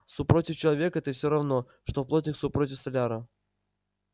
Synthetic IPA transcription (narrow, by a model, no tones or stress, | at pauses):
sʊpɾotʲɪft͡ɕɪlˠɐvʲe̞kɛt̪əfsʲoɾɐvno | ʂt̪ofplˠot̪ʲɪksʊpɾotʲɪfst̪ɐlʲaɾə